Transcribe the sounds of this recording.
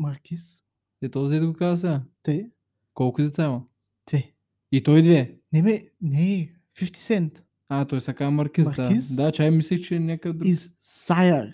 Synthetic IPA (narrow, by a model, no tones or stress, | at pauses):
mɐɾkʲis | ɛt̪ɔzid̪ɛt̪ɡokazəs̬ɛɡat̪ɛ | kɔlˠkʊd̪ɛt̪samɐ | d̪̥vɛ | it̪ɔjd̪vɛnɛmɛnɛ | fift̪i̥sɛnt̪ | at̪ɔjsakamɐɾkizɾd̪aisd̪at͡ʃajmislixt͡ʃɛnʲjakəd̪ɾizsajɐɾ